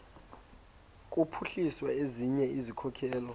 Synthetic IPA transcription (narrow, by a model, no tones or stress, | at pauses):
k̬ʼupʰuɬiswaeziɲɛizikʰɔkʰɛːlɔ